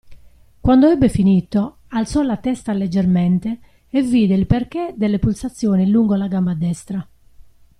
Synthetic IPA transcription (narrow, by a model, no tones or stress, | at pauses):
kwand̪oɛbːefiniːt̪ɔ | alt̪sɔlat̪ɛst̪aled͡ʒːɛrmɛnt̪ɛː | viːd̪eilperk̟ed̪ɛlːepulsat̪sːjɔːniluŋɡolaɡambad̪ɛst̪ɾa